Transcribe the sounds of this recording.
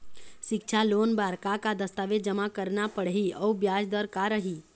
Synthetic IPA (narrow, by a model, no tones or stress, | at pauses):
ʃɪkt͡ʃʰaloːnbaːɾkakad̪əst̪aːʋed͡ʒəmakəɾnapəɽɦiɔːbjaːd͡ʒd̪əɾkaɾəɦiː